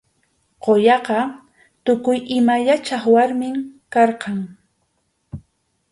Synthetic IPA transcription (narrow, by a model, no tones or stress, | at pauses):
qojɑqɑ | t̪ʊkʊjɪmaʎat͡ʃaχwaɾmɪmkɑɾqɑŋ